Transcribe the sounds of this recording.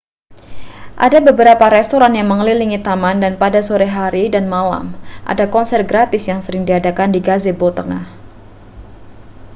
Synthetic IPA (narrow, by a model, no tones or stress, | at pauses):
ʔadabəbəɾapaɾɛst̪oɾanjaŋməŋəliliŋit̪amandanpadasoɾɛɦaɾidanmala̰mʔa̰dakɔnsɛrɡɾat̪ɪsjaŋsəɾɪŋdiadakandiɡazebot̪əŋah